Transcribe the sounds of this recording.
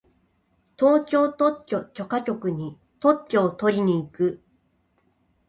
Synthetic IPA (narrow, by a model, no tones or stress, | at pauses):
t̪o̞ːt͡ɕo̞ːt̪o̞t͡ɕːo̞t͡ɕo̞kakʲo̞kɯ̟ɲ̟i | t̪o̞tt͡ɕːo̞ːt̪o̞ɾʲiɲ̟iːkɯ̟